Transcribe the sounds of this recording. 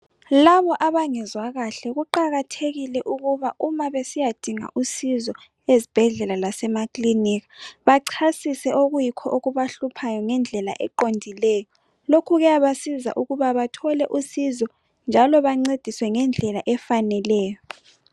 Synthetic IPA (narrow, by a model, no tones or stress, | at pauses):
laβɔʔaβaŋɛzwaɣaɬɛɣuǃaɣatʰeɣilɛʔuɣuβaumaβesijad̥ʱiŋa̰ʔusizɔ | ezi̥b̥ʱɛɮɛlalasɛmakliniːɣḁβaǀʰasisɛʔoɣujikʰɔʔoɣuβaɬupʰajɔŋɛnd͡ɮʱɛla̰ʔɛǃondʱilɛːjɔ | lokʰuɣɛjaβasiza̰ʔuɣuβaβatʰɔlɛʔusizɔ | nd͡ʒʱalɔβaŋ͡ǀed̥ʱiswɛŋɛnd͡ɮʱɛlaʔɛfanɛlɛːjɔ